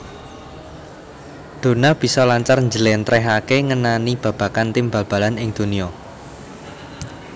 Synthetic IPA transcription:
d̪̥o̤nab̥i̤sɔlaɲt͡ʃarɲd͡ʒəlɛnt̪ɾɛɦakeŋənanib̥ä̤b̥ä̤kant̪imbä̤lb̥a̤lanɪŋd̪̥ṳniɔ

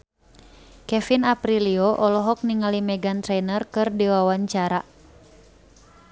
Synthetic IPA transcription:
kɛfinapɾiliɔʔɔlɔɦɔk̚niŋalimɛɡant̪ɾɛnərkɨrdiwawaɲt͡ʃaɾa

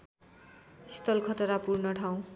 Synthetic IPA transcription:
ist̪ʌlkʰʌt̪ʌɾapurnʌʈʰaw̃

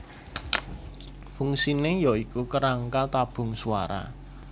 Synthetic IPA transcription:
fuŋsinɪjɔikukəɾaŋkat̪ab̥ʊ̤ŋsua̰ɾa̰

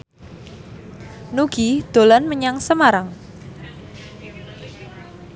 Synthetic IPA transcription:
nuɡ̥id̪̥o̤lanməɲaŋsəmaɾaŋ

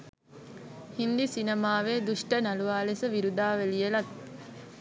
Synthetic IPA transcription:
hind̪isinemaːʋeːd̪uʂʈənaluʋaːlesəʋiɾud̪aːʋelijelat̪̚

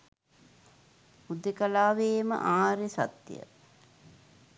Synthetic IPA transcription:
pud̪ekalaːʋeːmə̰ʔaːɾesa̰t̪jə̰

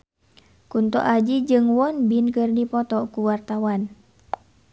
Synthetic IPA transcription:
kunt̪ɔ̰ʔad͡ʒid͡ʒɨŋwɔnbinkɨrdipɔt̪ɔkuwart̪awan

